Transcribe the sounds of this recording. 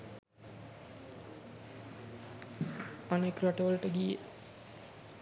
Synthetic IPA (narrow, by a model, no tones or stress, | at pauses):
anekɾaʈəʋələʈəɡije